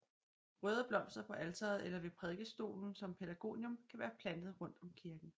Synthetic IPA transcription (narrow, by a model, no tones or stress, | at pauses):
ʁœːð̞ˠɐb̥lɒ̽m̰sd̥ɐpʰɒ̽ʔælt͡sʰɐð̞̩ˠelɐʋe̝pʰʁɛðˠɡ̥əsd̥o̝̰ːln̩sɒ̽mpʰedæɡ̥o̝̰ːnjɔ̽mkʰæʋæːɐpʰlænd̥ð̞̩ˠʁɔ̽n̰d̥ɒ̽mkʰiɐɡ̥n̩